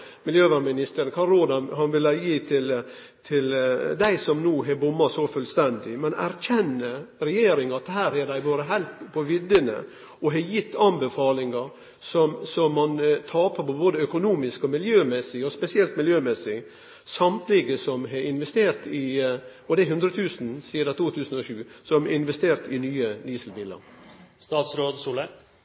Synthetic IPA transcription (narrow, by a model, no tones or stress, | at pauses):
mɪljøːʋɑɾmɪnɪst̪əɾənkʰɑɾoːd̪ɑnhɑnʋɪlɑjiːt̪ʰɪl | t̪ʰɪld̪æɪsɔmnuːɦɑbʊmːɑsɔfœlst̪ɛnd̪ɪmɛnæ̰ɾçɛnːəɾɛjeːɾɪŋɑt̪ːhæːɾæd̪æɪboːɾəɦæɪlt̪pʰɔʋɪd̪ənə̰ | ɔɦɑjɪt̪ʰːɑnbəfɑːlɪŋɑɾ | sɔmsɔmːɑnt̪ʰɑːpəpʰɔboːd̪əœkʊnuːmɪskɔmɪljøːmɛsɪɔspɛsɪɛlt̪mɪljøːmɛsɪ | sɑmt̪lɪɡəsɔmɦɑɪnʋɛst̪eːɾt̪ɪ | ɔd̪ɛæɦʉnd̪ɾət̪ʰʉːsn̩siːd̪ɑt̪ʰuːt̪ʰʉːsən̩ɔʃʉːsɔmɛɪnʋɛst̪eːɾt̪ɪnyːəd̪iːsəlbɪlə̰ɾst̪ɑːt̪sɾoːd̪suːlə